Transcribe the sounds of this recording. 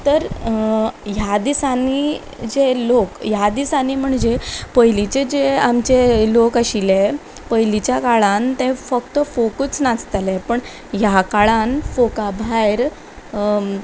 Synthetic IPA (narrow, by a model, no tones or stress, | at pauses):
t̪əɾ | ɦjad̪isanːi | d͡ʑelokjad̪isanim̤əɳd͡ʑepəjlit͡ɕed͡ʑeamt͡ɕelokaɕile | pəjlit͡ɕjakaɭãnt̪ẽfək̚t̪əfokət͡snat͡st̪alepəɳ | jakaɭãnfokabʱajɾ